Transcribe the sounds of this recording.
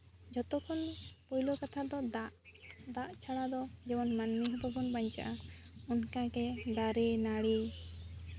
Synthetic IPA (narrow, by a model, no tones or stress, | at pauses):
d͡ʒɔt̪ɔkʰɔnpujlɔkat̪ʰad̪ɔd̪aʔd̪aʔt͡ʃʰaɽad̪ɔd͡ʒɛbɔnmanmiɦɔbɔbɔnbaɲt͡ʃa̰ʔaɔnkaɡɛd̪aɾenaɽi